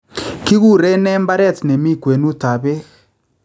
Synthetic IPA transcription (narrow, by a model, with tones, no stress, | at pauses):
ki˦ɣu˦˨ɾɛ˦nɛ˦mba˦ɾɛ˦˨tne˨mi˦˨kwe˨nu˦ta˨βe˦ɣ